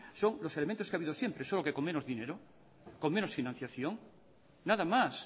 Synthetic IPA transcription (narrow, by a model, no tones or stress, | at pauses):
so̞ŋlo̞selemẽnt̪oskeaβiðosje̞mpɾesolokekoŋmenoðineɾo | ko̞ŋme̞nosfinãn̟θjaθjoŋ | naðamas